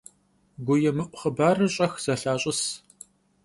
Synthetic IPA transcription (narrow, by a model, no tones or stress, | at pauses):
ɡʷʊjɛmɨʔʷʊχəbaːrɨɕʼɐxz̥ɐɬaːɕʼɪs